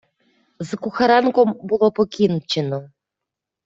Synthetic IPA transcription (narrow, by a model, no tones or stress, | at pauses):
zɤ̆kuxaɾɑnkombulˠopokʲinut̪̚t͡ɕɘ̆nɤ̆